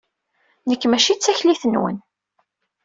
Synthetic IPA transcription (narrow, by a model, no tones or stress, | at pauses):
nəkːmæʃit͡sːæçliθənwə̰n